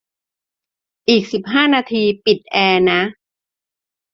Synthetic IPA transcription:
ʔiː˨˩k̚si˨˩p̚ɦaː˥˩naː˧t̪ʰiː˧pi˨˩t̪̚ʔɛː˧na˦˥

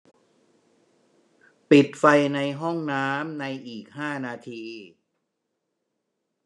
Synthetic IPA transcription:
pi˨˩t̪̚fa˧jna˧jɦɔ˥˩ŋnaː˦˥mna˧jʔiː˨˩k̚haː˥˩naː˧t̪ʰiː˧

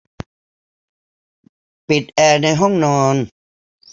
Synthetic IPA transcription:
pi˨˩t̪̚ʔɛː˧˩na˧jɦɔ˥˩ŋnɔː˧n

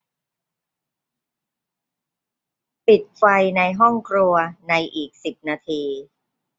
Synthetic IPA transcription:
pi˨˩t̪̚fa˧jna˧jɦɔ˥˩ŋkʰɾu˧ɐna˧jʔiː˨˩k̚si˨˩p̚naː˧t̪ʰiː˧

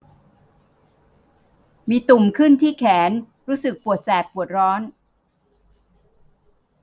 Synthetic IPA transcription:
miː˧t̪u˨˩mkʰɯ˥˩nt̪ʰiː˥˩kʰɛː˩˦n | ɾuː˦˥sɯ˨˩k̚pu˨˩ət̪̚sɛː˨˩k̚pːu˨˩ət̪̚ɾɔː˦˥n

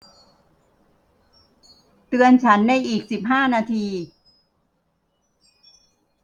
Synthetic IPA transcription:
t̪ɯ˧ənt͡ɕʰa˦˥nːa˧jʔiː˨˩k̚si˨˩p̚ɦaː˥˩naː˧t̪ʰiː˧

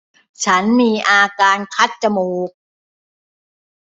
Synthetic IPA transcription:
t͡ɕʰa˦˥nmiː˧ʔaː˧kaː˧nkʰa˦˥t̪̚t͡ɕa˧muː˨˧k̚

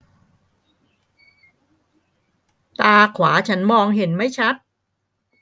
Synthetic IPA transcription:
t̪aː˧kʰwaː˩˦t͡ɕʰa˦˥nmɔː˧ŋɦe˩˦nma˥˩jt͡ɕʰa˦˥t̪̚

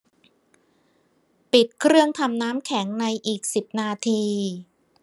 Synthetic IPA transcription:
pi˨˩t̪̚kʰɾɯ˥˩əŋt̪ʰa˧mnaː˦˥mkʰɛ˩˦ŋna˧jʔiː˨˩k̚si˨˩p̚naː˧t̪ʰiː˧

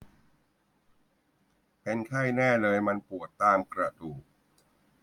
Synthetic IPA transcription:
pe˧nkʰa˥˩jnɛː˥˩lɤː˧jma˧npu˨˩ət̪ːaː˧mkɾa˧duː˨˩k̚

